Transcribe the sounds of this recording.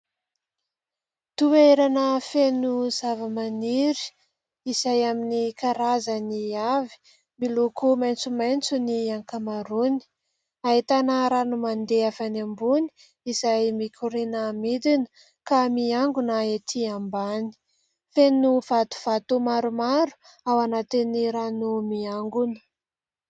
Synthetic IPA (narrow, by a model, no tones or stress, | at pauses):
t̪ueɾanəfenuzavəmaniɾi̥ | izajaminikaɾazəniavi̥ | milukumajnt͡sumajnt͡suniaŋkamaɾuni̥ | aɦit̪anaɾanumand̪eafanambuni̥ | izajmikʰʲuɾenamid̪inə̥ | kamiaŋɡunaet̪ʰiambani̥ | fenuv̥at̪u̥v̥at̪umaɾumaɾu̥ | awanat̪iniɾanumiaŋɡunə̥